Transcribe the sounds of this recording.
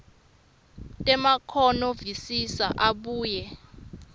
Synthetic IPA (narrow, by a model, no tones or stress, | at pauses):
tʼɛmakʰɔnɔvisisa̰ʔaɓuːjɛ